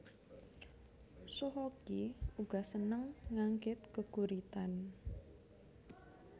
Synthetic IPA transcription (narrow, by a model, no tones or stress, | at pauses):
soɦɔkiuɡ̥a̤sənəŋːaŋɡɪt̪̚kəɡ̥uɾit̪an